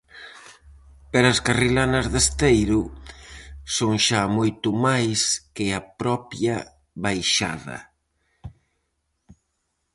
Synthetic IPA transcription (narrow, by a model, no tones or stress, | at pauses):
peɾaɐskarilanɐzðest̪ejɾʊ | soŋʃamojt̪ʊmajskɪɐpɾɔpjɐ | βajʃa̰ðɐ̰